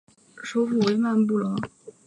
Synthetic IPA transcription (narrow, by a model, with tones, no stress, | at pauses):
ʂo˥ʊfu˥˩we˧˥ɪma˥˧np̬u˥˩lɔ˧˥